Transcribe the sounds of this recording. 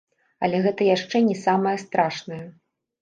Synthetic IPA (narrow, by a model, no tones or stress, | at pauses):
ɐlʲɛɣɛt̪ɐjaʂt͡ʂɛnʲɛsamɐjɐst̪ɾaʂnɐjɐ